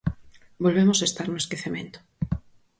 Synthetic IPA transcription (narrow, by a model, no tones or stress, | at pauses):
bolβemosaest̪aɾnoweskeθemẽnt̪o̥